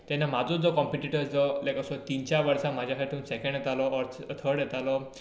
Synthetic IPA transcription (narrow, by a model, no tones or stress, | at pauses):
t̪jɛnːamad͡zɔt͡sd͡zɔkɔmpiʈiʈəɾsd͡zɔlajkəsɔt̪int͡ɕjaʋəɾsãmad͡ʑʱakʰaɾt̪uːnsɛkəɳɖjɛt̪alɔɔɾt̪ʰəɾɽjɛt̪alɔ